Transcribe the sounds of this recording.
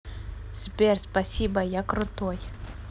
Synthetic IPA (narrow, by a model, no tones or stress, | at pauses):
spʲerspɐsʲibɐjakrʊt̪oj